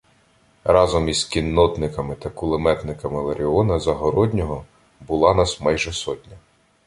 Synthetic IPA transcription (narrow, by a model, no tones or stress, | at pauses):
rɑzɔmizkʲinːɔd̪nɪkɐmɪt̪ɐkʊlˠɪmɛt̪nɪkɐmɪlˠeɾʲiɔnɐzɐɦɔɾɔdʲnʲɔɦɔ | bʊlˠɑnɑsmɑjʒɛsɔtʲnʲɐ